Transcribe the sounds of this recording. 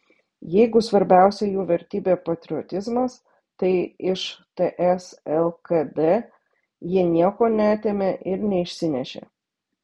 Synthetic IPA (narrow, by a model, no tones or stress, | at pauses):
jɛɪɡʊsʋɐɾʲbʲæˑʊsʲɛjuːʋʲɛɾʲt̪ʲiːbʲeːpɐt̪ʲɾʲɪɔt̪ʲɪzmɐs | t̪ɐɪɪʃt̪eʔɛsɛlˠkɐd̪e | jinʲiɛkoːnʲæɐt̪ʲeːmʲeʔɪɾnʲɛɪʃʲsʲɪnʲɛʃʲḛː